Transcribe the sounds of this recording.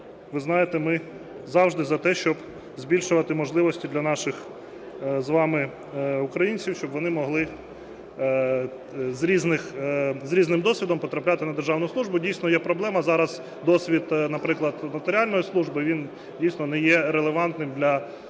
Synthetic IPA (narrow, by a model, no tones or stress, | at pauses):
ʋɪznɑjet̪ɛmɪ | zɑwʒd̪ɪzɐt̪ɛʃt͡ʃɔb | zʲbʲilʲʃʊʋɐt̪ɪmɔʒlˠɪʋɔsʲtʲid̪lʲɐnɑʃɪx | zʋɑmɪ | ʊkɾɐjinʲt͡sʲiwʃt͡ʃɔbʋɔnɪmɔɦlˠɪ | zɾʲiznɪxzɾʲiznɪmd̪ɔsʲʋʲid̪ɔmpɔt̪ɾɐplʲat̪ɪnɐd̪erʒɑwnʊjslˠuʒbʊdʲijsnɔjɛpɾɔblˠɛmɐzɑɾɐz̥ | d̪ɔsʲʋʲit̪nɐpɾɪklˠɐd̪nɐt̪eɾʲɪɑlʲnɔjislˠuʒbɪʋʲin | dʲijsnɔnɛjɛɾelˠeʋɑnt̪nɪmd̪lʲɐ